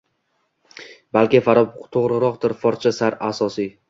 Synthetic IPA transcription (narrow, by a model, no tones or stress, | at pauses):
balkʲɪfaɾɒbt̪ʰoʁɾɪɾɒq̚d̪ɪɾfɒɾt͡ʃʰasaɾasɒsi